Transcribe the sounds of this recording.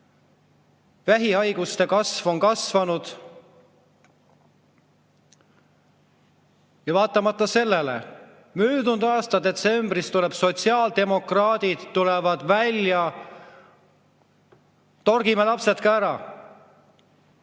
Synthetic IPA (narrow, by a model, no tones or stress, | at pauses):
væɦiɑjɡ̥ust̪e̞kɑsvo̞nkɑsvɑnud̪̥ | jɑvɑːt̪ːˑɑmɑt̪ˑːɑse̞lːe̞lḛ | myːd̪und̪̥ɑːst̪ɑd̪e̞t̪se̞mb̥rist̪uleb̥so̞t̪siɑːld̪e̞mo̞krɑːd̪̥id̪̥t̪ːulɛvɑd̪̥vælʲjɑ | t̪o̞rɡimelɑpse̞t̪kɑæɾɑ